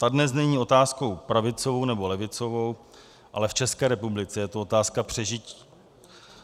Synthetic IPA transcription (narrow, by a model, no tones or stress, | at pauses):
t̪adnɛsz̬nɛɲiːo̞t̪aːsko̞wpɾavɪt͡sovo̞wnɛbo̞lɛvɪt͡so̞vo̞w | ʔa̰lɛft͡ʃɛskɛːɾɛpublɪt͡sɛjɛt̪oo̞t̪aːskapr̝̥ɛʒɪci̥ː